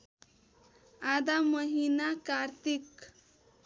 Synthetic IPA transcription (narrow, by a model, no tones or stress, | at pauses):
ad̪aməɦinakaɾt̪ik